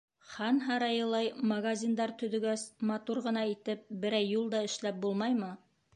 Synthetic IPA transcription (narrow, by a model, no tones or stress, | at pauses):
χɑnɦɑɾɑjɤ̆lˠɑjmɐɡazʲind̪ɑɾt̪ɵ̆ðɵ̆ɡæsmɑt̪uɾʁɤ̆nɑit̪ɘp̚bɘ̆ɾæjːulˠd̪ɑɘ̆ʃlæp̚bulˠmɑjmɤ